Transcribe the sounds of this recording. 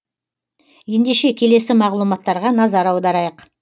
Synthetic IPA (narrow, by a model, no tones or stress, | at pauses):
je̞nd̪eʃe̞kʲʰe̞le̞sɪmɑʁlˠumɑt̪ːɑɾʁɑnɑzɑɾɑwd̪ɑɾɑjəq